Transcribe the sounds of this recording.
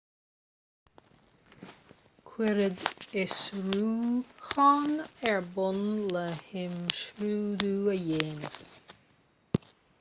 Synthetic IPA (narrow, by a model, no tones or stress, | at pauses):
kʰwɪɾəd̪ɪsɹuːxɑnɛɹbʊnləhɪmʃɾuːd̪uːəjeːnə